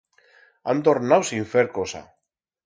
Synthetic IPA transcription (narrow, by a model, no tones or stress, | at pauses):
a̰nt̪oɾnawsiɱfeɾkosa̰